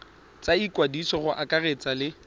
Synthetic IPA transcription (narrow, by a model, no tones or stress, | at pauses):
t͡saikwadisɔχʊʔakʼaret͡sʼalɪ